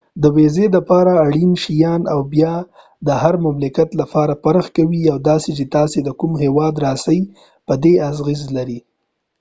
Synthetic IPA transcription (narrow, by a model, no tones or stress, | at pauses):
d̪əwezeləpɑɾaːɽinʃijɑnawbjɑ | d̪əɦaɾmamlɪkat̪lapɑɾapaɾəxkawiawd̪ɑset͡ʃet̪ɑsed̪əkumɦewɑd̪ɾɑsaj | pəd̪eazɣizlaɾi